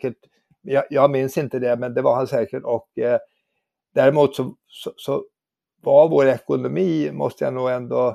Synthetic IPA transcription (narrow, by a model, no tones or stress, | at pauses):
kəʈ | mɛjɑjɑːɡmɪnsɪnt̪əd̪ɛmɛnd̪ɛvaɾhansɛːkəʈɔk | d̪̥æɾɪmuːt̪sɔ | sɔsɔ | vaɾvoːɾɛkʊnʊmiːmɔ̰st̪əja̰nuːɡɛnd̪ɔ